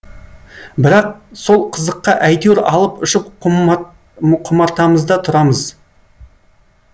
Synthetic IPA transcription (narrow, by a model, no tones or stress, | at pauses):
bɪɾɑq̚so̞lˠqʰəzəqːɑʔæjd̪eɾɑlˠəpʊʃɪp | qʰʊmɑɾt̪ɑməzd̪ɑt̪ʰʊɾɑməz